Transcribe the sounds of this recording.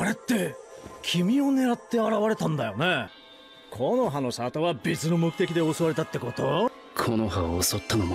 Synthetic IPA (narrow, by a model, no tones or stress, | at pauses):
aɾet̪ːe̞kʲʰimʲio̞ne̞ɾat̪ːe̞aɾaβaɾe̞t̪ãnd̪ajo̞ne̞ | kʰono̞ɦano̞ɕat̪oβabʲit͡sɨno̞mo̞kɯ̟t̪ekʲid̪e̞osoβaɾe̞t̪at̪ːe̞ko̞t̪o | kʰonoɦaːso̞t̪ːanom